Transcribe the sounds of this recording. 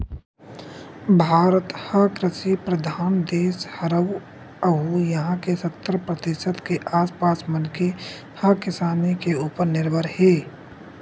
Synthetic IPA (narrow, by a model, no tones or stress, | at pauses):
bʱaːɾət̪həkɾɪsipɾəd̪ʱaːnd̪eːshəɾəw | əɦujɐɦãkesət̪ːɾəpɾət̪ɪʃət̪keʔaːspaːsmənke | həkɪsaːnikeuːpəɾnɪɾbʱəɾheː